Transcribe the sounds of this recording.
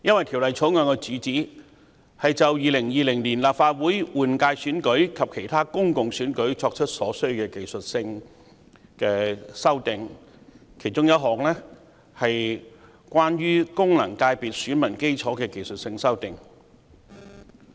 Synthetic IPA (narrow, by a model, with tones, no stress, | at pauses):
jɐ˥nwɐ˨jt̪ʰi˨˩wlɐ˨jt͡sʰo˨˥wŋœː˧ŋkɛ˧t͡syː˨˥t͡siː˨˥ | hɐ˨jt͡sɐ˨wjiː˨˧lɪ˨˩ŋjiː˨˧lɪ˨˩ŋliː˨˩nlaː˨p̚faː˧t̚wuː˨˥jwuː˨˩nkaː˧jsyː˨˥nkɵ˨˥ɥkʰɐ˨p̚kʰe˨˩jt̪ʰaː˥kʊ˥ŋkʊ˨ŋsyː˨˥nkɵ˨˥ɥt͡sɔː˧k̚t͡ʃʰɵ˥t̚sɔː˨˥sɵ˥ɥkɛː˧ke˨˩jsɵ˨t̚sɪ˧ŋ | kɛː˧sɐ˥wt̪ɪ˨ŋ | kʰe˨˩jt͡sʊ˥ŋjɐ˥t̚ɦɔː˨k̚lɛː˥ | hɐ˨j | kʷwaː˥nɥyː˥kʊ˥ŋlɐ˨˩ŋkaː˧jpiː˨t̚syː˨˥nmɐ˨˩nke˥jt͡sʰɔː˨˥kɛː˧ke˨jsɵ˨t̚sɪ˧ŋsɐ˥wt̪ɪ˨ŋ